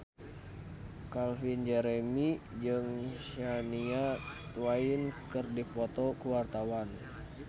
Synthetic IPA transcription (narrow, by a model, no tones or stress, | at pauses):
kalfind͡ʒɛɾɛmid͡ʒɨŋʃaniat̪uainkɨrdipɔt̪ɔkuwart̪awan